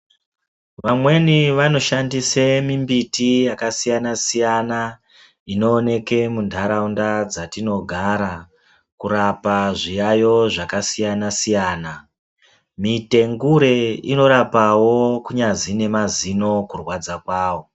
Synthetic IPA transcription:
ʋamwe̞niʋano̞ʃandisemimbitijakasijanasijana | ino̞ːne̞ke̞mundʰʱaɾaundad͡zatino̞ɡʱaɾa | kuɾapaʐijajo̞ʐakasijanasijaːna | mite̞ŋɡuɾe̞ino̞ɾapawo̞kuɲad͡zine̞mazino̞kurwad͡zakwaːwo̞

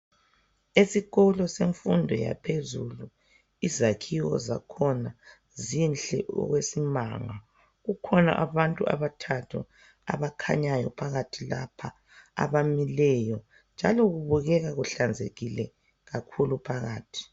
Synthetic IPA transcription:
esiɣɔlɔseɱfundʱɔja̰pʰezulu | izakʰiwɔ̰za̰kʰɔna | zinɬɛɔ̰ɣwesima̰ŋa | ɣukʰɔna̰ʔaβantʼua̰βatʰatʰṵ | a̰βakʰaɲajɔpʰaɣatʰilapʰa | a̰βamilɛjɔ | nd͡ʒʱalɔɣuβuɣɛɣaɣuɬand͡zʱeɣilɛ | ɣakʰulupʰaɣaːtʰi̥

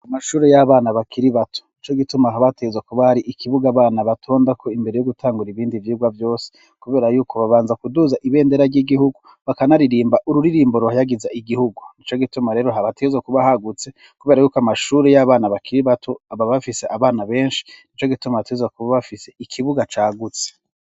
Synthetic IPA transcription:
amaʃuːɾejaβaːnaβakʰiɾiβatʰo̥nit͡ʃo̞ɡitumaɦaβateɡezwakuβahaɾiʔikʰiβuɡaβaːnaβatʰo̞ːndakʰo̞imbe̞ɾejo̞ɡutʰaːŋɡuɾiβiːndivjiɡwavjo̞ːse̥ | kuβe̞ːɾajuːkʰo̞βaβaːnzakuduzaʔiβe̞ːndeɾaɾɟiɡihuɡu | βakanaɾiɾiːmbaʔuɾuɾiɾiːmboɾohajaɡizaʔiɡihuɡunit͡ʃo̞ɡitumaɾe̞ːɾoɦaβateezwakuβahaɡut͡se̞ | kuβe̞ːɾajuːkoamaʃuːɾejaβaːnaβakʰiɾiβatʰo̞aβaβafise̞ʔaβaːnaβe̞ːnʃi̥nit͡ʃo̞ɡitumaβateɡzwakuβaβafise̞ikʰiβuɡat͡ʃaːɡut͡se̥

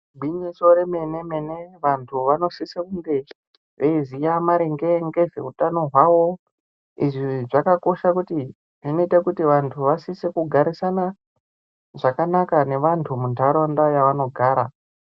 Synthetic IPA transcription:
bʱwiɲiso̞ɾe̞me̞ne̞me̞ne̞ʋantʰuʋano̞sisekuŋɡe̞ | ʋeizijamaɾeŋɡeŋɡe̞vḛutano̞ɦwaʋo̞ | iʐiʐakako̞ʃakuti | ʐino̞itakutiʋantʰuʋasisekuɡʱaɾisana | ʐakanakane̞ʋantʰumuntʰaɾondajaʋano̞ɡʱaːɾa̰

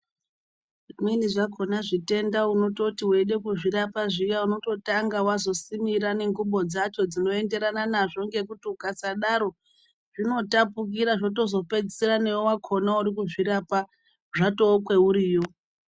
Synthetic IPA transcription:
miniʐakʰo̞naʐite̞ndauno̞to̞tiwe̞ɗe̞kuʐiɾapaʐijauno̞to̞taŋɡawazo̞simiɾane̞ŋɡuɓo̞d͡zat͡ʃo̞d͡zino̞e̞nde̞ɾananaʐo̞ŋɡe̞kutiukat͡saɗaɾo̞ | ʐ̥ino̞tapuk̬iɾaʐo̞to̞zo̞pe̞d͡zisiɾane̞wowakʰo̞nauɾikuʐiɾapa | ʐato̞kwe̞uɾiːjo̞

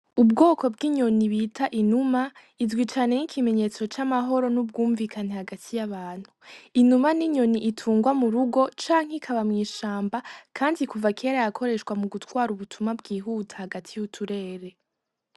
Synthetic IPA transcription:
ubɡo̞ːkʰo̞b̚ɡiɲo̞niβitʰaʔinuma | izɡwiːt͡ʃane̞nikʰime̞ɲe̞t͡so̞t͡ʃamaɦo̞ɾo̞nub̚ɡuːɱvikanehaɡatʰijaβaːn̥huinumaniɲo̞niʔitʰuːŋɡwamuɾuɡo̞t͡ʃaːŋ̥ekʰaβamŋiːʃaːmbakʰaːndikuvakʰe̞ːɾajakʰo̞ɾe̞ʃkwamuɡutwaːɾuβutʰumabɡiːɦuːtʰḁhaɡatʰijutʰuɾe̞ːɾe̞

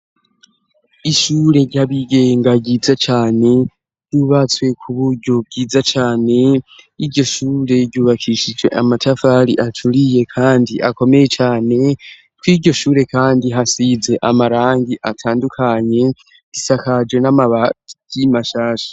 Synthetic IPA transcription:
iʃuɾe̞ɾjaβiɡe̞ːŋɡaɟiːzat͡ʃaːne̞ | ɟjuβat͡swe̞kʰuβuɾɟo̞b̚ɟiːd͡zat͡ʃaːne̞iɾɟo̞ʃuːɾe̞ɟuːβakʰiʃid͡ʒwe̞̰ʔamatʰafaɾiʔatʰuɾije̞kʰaːndiʔako̞me̞je̞t͡ʃaːne̞ | twiɾɟo̞ʃuːɾe̞kaːndiɦasize̞ʔamaɾaːŋɡiʔatʰaːndukʰaɲe̞ | ɡ̥isakad͡ʒwe̞namaβaɟ̥imaʃaːʃḁ

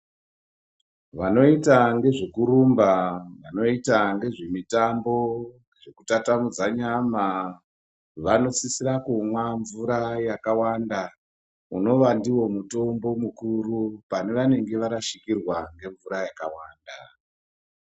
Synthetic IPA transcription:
ʋano̞itaŋɡe̞ʐe̞kuɾumbaʋano̞itaŋɡe̞ʐe̞mitambo̞ | ɡʐe̞kutatamud͡zaɲama | ʋano̞t͡sisiɾakumwaɱvuɾajakawanda | uno̞ʋandiwo̞muto̞mbo̞mukuɾupane̞ʋane̞ŋɡe̞ʋaɾaʃikirwaŋɡe̞ɱvuɾajakawaːnda

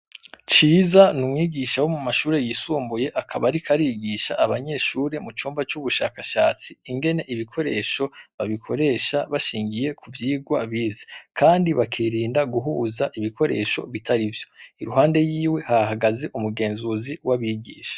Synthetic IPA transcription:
t͡ʃiːzanumŋiːɡiʃawo̞mumaʃuːɾe̞jisuːmbuje̞ʔakʰaβaɾikʰaɾiɡiʃaʔaβaɲe̞ʃuːɾe̞mut͡ʃuːmbat͡ʃuβuʃa̰kaʃaːt͡siːŋɡe̞ne̞ʔiβikʰo̞ɾe̞ːʃo̞βaβikʰo̞ɾe̞ːʃaβaʃiːŋɡije̞kʰuvjiːɡwaβiːzḁkʰaːndiβakʰiɾiːndaɡuɦuːzaʔiβikʰo̞ɾḛːʃo̞̰βitʰaɾivjo̞iɾuɦaːnde̞jiːwe̞haaɦaɡaze̞ʔumuɡe̞ːnzuziwaβiːɡḭːʃḁ

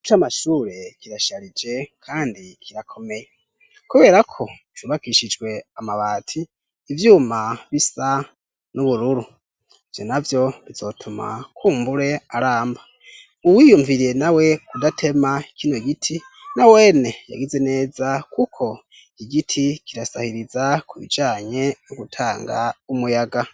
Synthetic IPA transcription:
ut͡ʃamaʃuːɾe̞kiɾaʃaɾid͡ʒe̞kʰaːndikʰiɾakʰo̞me̞je | kuβe̞ɾakʰo̞ | v̥juβakiʃid͡ʒɡwe̞amaβaːtʰiː | vjuːmaβisa | nuβuɾuɾu | v̥jo̰navjo̞βizo̞tʰuma̰kʰuːmbuɾe̞aɾaːmba | uwijumviɾije̞nawe̞kudatʰe̞makino̞ɡitʰi | nawe̞ːne̞ja̰ɡeze̞ne̞ːzakʰukʰo̞ | iiɡitʰikiɾasahiɾizakʰuβḭd͡ʒaːɲe̞noɡutʰaːŋɡa̰umujaɡa

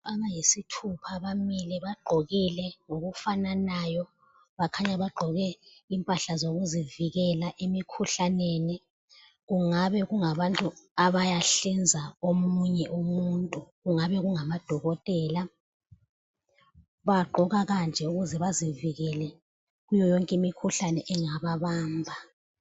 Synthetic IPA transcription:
aŋajisitʰupʰaβamilɛβaɡ͡ǃʱoɣilɛŋoɣufananajɔ | βakʰaɲaβaɡ͡ǃʱɔɣɛimpʼaɬazoɣuziviɣɛlaʔemikʰuɬaneːni | ɣuŋaβɛɣuŋaβantʼuaβajaɬind͡zʱaomuɲɛʔomuntʼuɣuŋaβɛɣuŋamad̥ʱɔɣɔtʼɛːla | βaɡ͡ǃʱɔɣaɣand͡ʒʱɛuɣuzɛβaziviɣɛlɛ | ɣujɔjɔŋkʼimikʰuɬanɛʔɛŋaβaβaːmbʱa

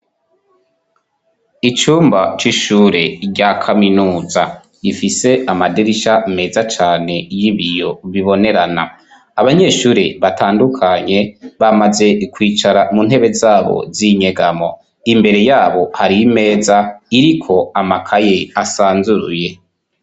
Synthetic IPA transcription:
it͡ʃuːmbat͡ʃiʃuːɾe̞ɟakʰaminuːza̰ | ifise̞ʔamadiɾiʃame̞ːzat͡ʃaːne̞jiβijo̞βiβo̞ne̞ɾana̰ː | βaɲe̞ʃuːɾḛβatʰaːndukʰaɲe̞βamaze̞kwiːt͡ʃaɾamun̥ɦe̞βe̞zaːβo̞̰ziɲe̞ɡamo̞̰ | imbe̞ɾe̞jaːβo̞haɾiime̞ːzaiɾikʰo̞amakʰajeasaːnzuɾṵje̞

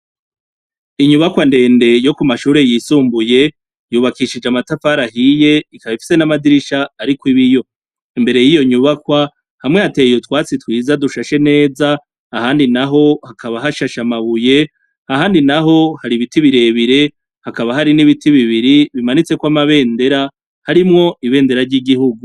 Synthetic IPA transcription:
iɲuβakwande̞ːnde̞jo̞kumaʃuːɾe̞jisuːmbuje̞ | juːβakiʃid͡ʒamatafaɾahije̞ikaβifi̥se̞namadiɾiʃaːɾikwiβijo̞ | imbe̞ɾe̞jijo̞ɲuβakwa | hamŋehate̞ːjotwaːt͡sitwiːzaduʃaʃe̞ne̞ːzaː | haːndinaɦo̞hakʰaβaɦaʃaʃamaβuje̞ | ahaːndinaɦo̞haɾiβitiβiɾe̞βiɾe̞ | hakaβaɦaɾiniβitiβiβiɾiβimanit͡se̞kwamaβe̞ːnde̞ɾa | haɾimŋo̞iβe̞ːnde̞ɾaɾɟiɡihuɡu

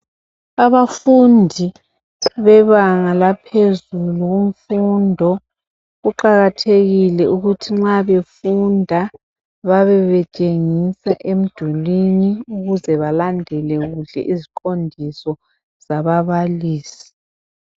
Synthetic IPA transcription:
aβafundʱi | βɛβaŋalapʰezuluɣum̩fundʱɔ | ɣuǃaɣatʰeɣilɛʔuɣutʰiŋ͡ǁaβefundʱa | βaβɛβɛt͡ʃʼeŋisaʔem̩d̥ʱuliniuɣuzɛβalandʱɛlɛɣuɮɛ̰ʔiziǃʼondʱisɔ | z̥aβaβaliːsi̥

